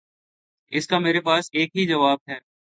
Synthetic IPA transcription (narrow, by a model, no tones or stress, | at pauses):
ɪskameːɾepaːseːkɦid͡ʒɐʋaːb̚ɦɛː